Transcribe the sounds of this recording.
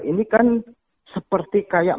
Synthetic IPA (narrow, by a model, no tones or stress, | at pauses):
ʔinikan | səpərt̪ikajaʔ